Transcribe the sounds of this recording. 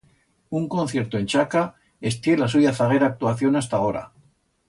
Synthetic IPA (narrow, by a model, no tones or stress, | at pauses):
uŋko̞n̟θje̞ɾt̪oe̞nt͡ʃaka | est̪jelas̬uʝaθaɣ̞e̞ɾaːk̚t̪uaθjo̞nast̪ao̞ɾa̰